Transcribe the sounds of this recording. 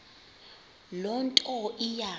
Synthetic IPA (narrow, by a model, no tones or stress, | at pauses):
lɔntʼɔija